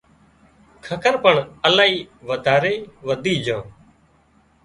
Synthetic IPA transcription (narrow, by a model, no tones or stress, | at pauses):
kʰəkʰəɾpəɳəlaːiːʋəd̪ʱaːɾeːʋəd̪iːd͡ʒʱãː